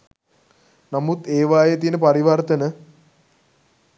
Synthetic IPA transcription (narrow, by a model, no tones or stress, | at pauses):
namut̪eːʋaːjet̪iːnəpaɾiʋart̪ənə